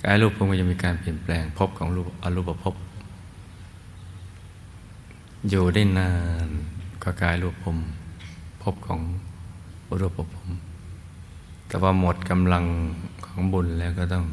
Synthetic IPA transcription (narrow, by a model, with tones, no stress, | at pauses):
ka̰ː˨˦jluː˧˩pʰo˧˦mkɔː˧˩t͡ɕa˧˨miː˧kaː˨˧˨npi˨˩ənplɛː˨˧ŋpʰo˧˥p̚kʰɔː˨˦lu˧ʔa˧luː˧˥˩pa˧pʰo˧˥p̚ | juː˧˩da˧˥˩jnaː˧˩nkɔ˧˩kaː˨˧˩jluː˧˩pʰːo˧˦m | pʰo˧˦p̚kʰɔː˨˦ŋ | ʔu˧ɾo˧˩pʰːo˧˩pʰo˧˦m | t̪ɛː˧waː˧mo˨˩t̪̚ka˧mla˧ŋkʰɔː˨˦ŋbu˧˨nlɛː˧˩˨wkɔː˧˩t̪ɔ˧˩˨ŋ